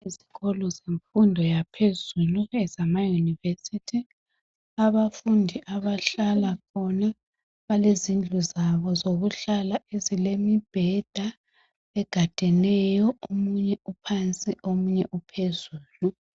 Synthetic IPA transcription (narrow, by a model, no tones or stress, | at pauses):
iziɣɔlɔzeɱfundʱɔjapʰezuluɛzamajunivesitʰi | aβafundʱiʔaβaɬalakʰɔna | βalezind͡ɮʱuzaβɔzoɣuɬalaezilemib̥ʱɛd̥ʱa | ɛɡ̥ʱad̥ʱɛnɛjɔomuɲɛupʰant͡sʼiʔomuɲɛʔupʰezuːlu